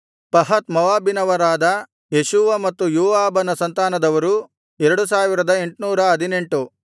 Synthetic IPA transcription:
pɐɦɐt̪mɐʋaːbinɐʋɐɾaːd̪ɐ | jeʃuːʋɐmɐt̪ːujuːʋaːbɐnɐsɐnt̪aːnɐd̪ɐʋɐɾu | ɛɾɐɽus̬aːʋiɾɐd̪ɐe̞ɳʈnuːɾɐɐd̪ine̞ɳʈu

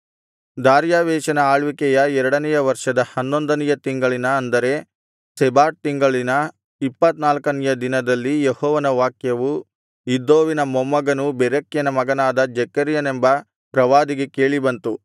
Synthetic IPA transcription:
d̪aːɾjaːʋɛːʃɐnɐaːɭʋikɛjɐɛɾɐɽɐnɛjɐʋɐɾʂɐd̪ɐhɐnːond̪ɐnɛjɐt̪iŋɡɐɭinɐːnd̪ɐɾe̞ | sɛbaːʈ̚t̪iŋɡɐɭinɐ | ipːɐt̪naːlkɐnɛjɐd̪inɐd̪ɐlːijehɔːʋɐnɐʋaːkjɐʋu | id̪oːʋinɐmɔmːɐɡɐnubɛɾɐkjɐnɐmɐɡɐnaːd̪ɐd͡ʒɛkɐɾjɐnembɐ | pɾɐʋaːd̪iɡekeːɭibɐnt̪u

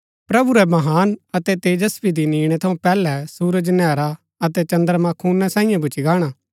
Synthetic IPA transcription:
pɾɐbuɾɛmɐɦaːnɐt̪ɛt̪eːd͡ʒɐspid̪iniːɽ̃ɛt̪ʰɐũpɛːlɛsuːɾəd͡ʒnɛːɾa | ɐt̪ɛt͡ʃɐ̃nd̪əɾmãkʰuːnːãsãːĩjãbʊt͡ʃiɡaːɽ̃aː

